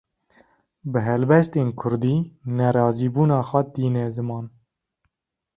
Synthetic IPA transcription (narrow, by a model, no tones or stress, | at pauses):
bɨɦɛlbɛst̪eːnkʰʊɾd̪iːnɛɾɑːziːbuːnɑːxwɛd̪iːnɛzɨmɑːn